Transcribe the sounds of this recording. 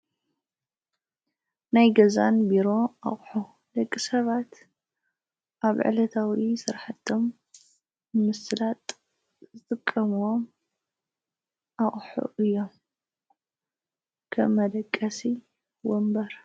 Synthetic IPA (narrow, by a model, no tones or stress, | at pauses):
najɡɐza̰nbiɾo̞a̰χʼħu | lɐkʼːisɐβat̪ | ʔaβʕɨ̰lɐt̪ʰawisɨɾħat̪ʰːom | ɨmɨsɨlat̪ʼ | zɨt̪ʼɨkʼːɐmwom | ʔaχʼħṵʔɨjːom | kʰɐ̰mːɐd̪ɐkʼːɐsi | wombɐɾ